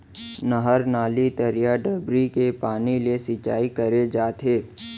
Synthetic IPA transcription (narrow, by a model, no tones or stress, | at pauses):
nəɦəɾnaːlit̪əɾijaɖəbɾikepaːnilesɪt͡ʃaːikəɾed͡ʒaːt̪ɦeː